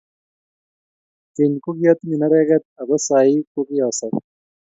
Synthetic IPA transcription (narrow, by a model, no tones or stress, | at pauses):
k̪inkuɡijɐt̪minɐɾeːɡɐt̪̚ɐbɐsaːikuɡijaːsɐɾ